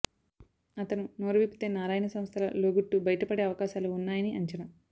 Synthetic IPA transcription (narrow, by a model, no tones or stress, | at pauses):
ɐt̪ɐnunoːɾɐʋipi̥t̪eːnaːɾaːjɐnɐsɐmst̪ʰɐlɐ̰loːɡuʈːubɐjɐʈɐpɐɽeɐʋɐkaːʃaːluːnːaːjɐniɐɲt͡ʃɐnɐm